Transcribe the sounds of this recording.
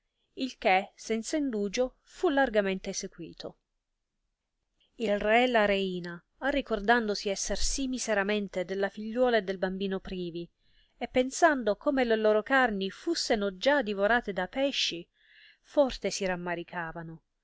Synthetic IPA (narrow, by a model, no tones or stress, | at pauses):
ilkesɛnt̪saind̪uːd͡ʒo | fulːarɡament̪eːsekwḭːt̪ʰo | ilrɛlaɾeiːna | arːikord̪and̪osiɛsːersimːiseɾament̪ed̪elːafiʎːwɔːled̪elbambiːnopɾiːvi | epːensand̪okoːmeleloːɾokarnifusːenod͡ʒad̪ivoɾaːt̪ed̪apɛʃːi | fɔrt̪esiɾamːaɾikʰaːvano